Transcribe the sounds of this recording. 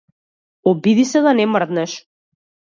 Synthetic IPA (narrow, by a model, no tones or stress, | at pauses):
ɔbid̪isɛd̪anɛmrd̪nɛʃ